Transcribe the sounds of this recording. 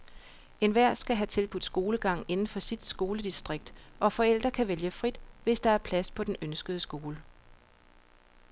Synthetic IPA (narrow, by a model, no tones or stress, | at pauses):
e̝nʋæɐ̰sɡ̥æɦæt͡sʰe̝lb̥ud̥sɡ̥o̝ːləɡ̥ɑ̈ŋ̰e̝nn̩fɒ̽sid̥sɡ̥o̝ːləd̥isd̥ʁeɡ̥̚d̥ʔɒ̽fɒ̽el̰d̥ʁɐkʰæʋeljəfʁid̥ʋe̝sd̥ɑ̈æɐpʰlæspʰɒ̽d̥enønsɡ̥əðˠsɡ̥o̝ːlə